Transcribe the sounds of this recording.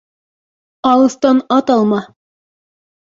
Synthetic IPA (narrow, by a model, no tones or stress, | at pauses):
ɑlˠɤ̆st̪ɑnɑt̪ɑlˠmɑ